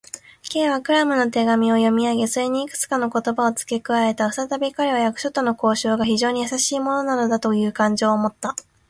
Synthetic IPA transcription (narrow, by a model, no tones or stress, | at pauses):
ke̞ːβakɯ̟ɾamɯ̟no̞t̪e̞ɡamʲio̞jo̞mʲiaɡe̞soɾeɲ̟iːkɯ̟̥t͡sɨ̥kano̞ko̞t̪o̞bao̞t͡sɨ̥ke̞kɯ̟aɾe̞t̪aɯ̥sat̪abʲikaɾeβajakɯ̟̥ɕo̞t̪ːo̞no̞ko̞ːɕo̞ːɡaçiʑo̞ːɲ̟ijasaɕiːmo̞no̞nad̪o̞d̪at̪o̞jɯ̟ːkãɲ̟d͡ʑo̞ːmot̪ːa